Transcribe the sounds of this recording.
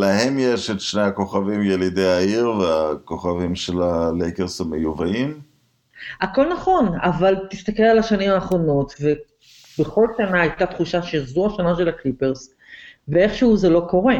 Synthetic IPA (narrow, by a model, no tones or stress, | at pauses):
lahe̞mjeʃetʃnejhako̞χavimjelidejaiʁveako̞χavimʃelalejkeʁshemejuvaim | ʔako̞lnaχo̞navalt̪ist̪ake̞lalaʃanimaːχʁo̞no̞tve̞ | be̞χo̞lʃanaːjtat̪χuʃaʃeazuaʃanaʃe̞laklipe̞ʁs | veeχʃeuzelo̞ko̞ʁe